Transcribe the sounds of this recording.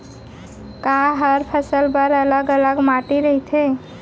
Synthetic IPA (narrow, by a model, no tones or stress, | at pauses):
kaɦəɾpʰəsəlbəɾələɡələɡmaʈiɾəɦit̪ʰe